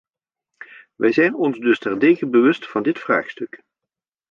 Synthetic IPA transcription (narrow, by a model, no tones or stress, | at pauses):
ʋɛjzɛjnɔnzdɵstɛrteːɣənbəʋɵstfɑndɪtfra̰ːχstɵk